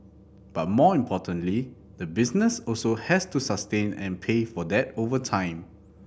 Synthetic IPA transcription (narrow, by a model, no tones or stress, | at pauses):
b̥at̚mɔĩmpʰɔtə̃nli | dəbisnəsɔlsohɛstusastẽnɛ̰̃npʰefɔdɛtovətʰãɪ̃m